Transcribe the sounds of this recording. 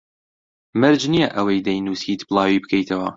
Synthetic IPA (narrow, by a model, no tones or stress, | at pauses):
mɨɾd͡ʒnijɐʔɐwɐjd̪ɐjnuːsiːt̪blˠɑːwiːbɨkʰɐjt̪ʰɐwɐ̰